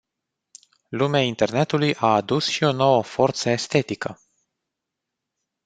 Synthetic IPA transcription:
lumeaint̪e̞rne̞t̪ulujʔaːd̪usʃio̞no̞wəfo̞rt̪səest̪e̞t̪ikə

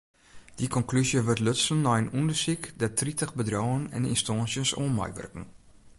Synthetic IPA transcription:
d̥ikʰɔnklysjəʋørtløtsənːɔjənundərsikdɛtʰritəxbədrɔːənɛ̰nḭnstɔːnsjənsoːnmɛ̰jʋø̰rkn̩

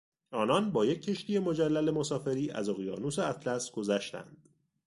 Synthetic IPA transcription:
ɒːnɒnbɒːje̞cʰːe̞ʃt̪ije̞mo̞d͡ʒælːæle̞mosɒːfe̞ɾiːʔæ̰zoɣijɒːnuseæt̪ʰlæsɡ̥o̞zæʃt̪æ̰nd̪̥

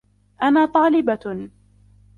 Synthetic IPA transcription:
ʔanaːt̪ˤɑːlɪba

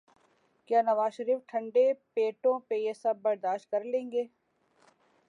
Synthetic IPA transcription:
kjaːnɐʋaːzʃɐɾiːfʈʰɐ̃ɳɖepeːʈõpejesɐb̚ːɐɾd̪aːʃt̪̚kɐɾlẽːŋɡeː

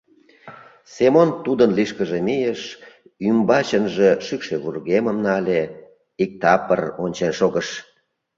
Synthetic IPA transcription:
semont̪ud̪ənliʃkəʒemijeʃ | ymbɑt͡ɕənʒeʃykʃeβurɣeməmnɑle | ik̚t̪ɑpəronʲt͡ɕenʃoɣəʃ

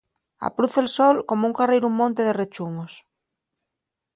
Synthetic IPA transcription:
a̰pɾuθelsolkomouŋkarejɾummõnt̪eðeret͡ʃuŋos

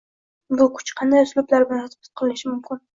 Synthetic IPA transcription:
bʊkʰʊ̥t͡ʃqʰɑnd̪ajslʊblaɾbɪlant̪bɪ̥t̪̚qʰɨlɪʃɪmʊmkʲɪn

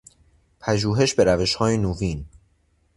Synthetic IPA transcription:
pʰæʒuːɦe̞ʃbe̞ɾæve̞ʃhɒːjenuviːn

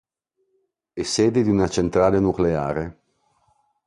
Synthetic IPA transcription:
esːeːd̪ed̪iunat͡ʃent̪ɾaːlenuklea̰ːɾe

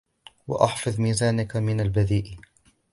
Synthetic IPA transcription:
wa̰ʔɑħfɑðˤmiːzaːnakamɪnalbaðiːʔ

